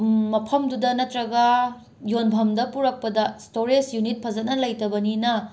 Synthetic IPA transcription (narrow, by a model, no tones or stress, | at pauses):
mɐpʰɐmdudɐnɐtɾɐɡɐ | jonbʱɐmdɐpuɾɐk̚pɐdɐstoɾed͡ʒjunit̚pʰɐzɐnɐlɐjtɐbɐninɐ